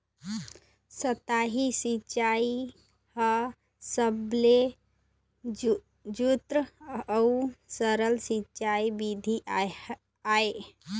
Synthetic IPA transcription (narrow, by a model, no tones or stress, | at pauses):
sət̪aɦisit͡ʃai | hə | səble | d͡ʒut̪ɾəəusəɾəlsit͡ʃaibid̪ʱi | ae